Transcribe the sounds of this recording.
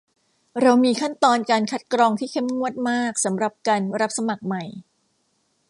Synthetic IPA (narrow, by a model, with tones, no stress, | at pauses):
ɾa˧wmiː˧kʰa˥˩nt̪ɔː˧nkaː˧nkʰa˦˥t̪̚kɾɔː˧ŋt̪ʰiː˥˩kʰe˦˥˩mŋu˥˩ət̪̚maː˥˩k̚sa˩˦mɾa˨˩p̚kaː˧nɾa˦˥p̚sa˧ma˨˩k̚ma˨˩j